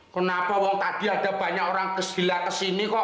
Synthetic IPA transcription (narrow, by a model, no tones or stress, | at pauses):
kənapawɔŋt̪ad̪̥i̤ad̥a̤b̥a̤ɲakoɾaŋkəsilakəsinikɔʔ